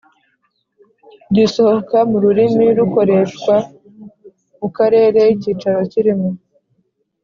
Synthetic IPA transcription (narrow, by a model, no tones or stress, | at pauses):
ɟiso̞hokamuɾuɾimiɾuko̞ɾe̞ʃkwa | mukaɾe̞ːɾe̞jiciːt͡ʃaɾo̞ciɾimo